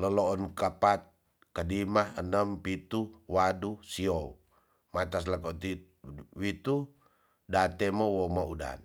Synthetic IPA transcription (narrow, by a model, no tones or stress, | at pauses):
ləloːnkapat̪̚ | kadimahənəmpit̪uwadusiou | mat̪as̬lakot̪i | wit̪u | dat̪ɛmowɔmauda̰n